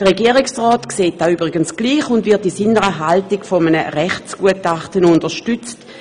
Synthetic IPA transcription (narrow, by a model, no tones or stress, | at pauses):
d̥əʁeɡiəʁɪksʁɔːtkseːt̚d̥aːyːbʁɪɡənsɡ̥liːχʊndvɪɐtisɪnəʁəɦaltiɡfɔmənəʁɛχsɡ̥uətaχtənʊndɐʃtʏt͡st